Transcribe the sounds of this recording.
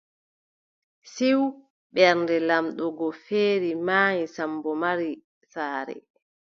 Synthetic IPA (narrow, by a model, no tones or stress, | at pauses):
siw | ɓɛɾndɛlamɗɔɡɔfeːɾimaːɲisambɔmaɾi | saːɾɛ̰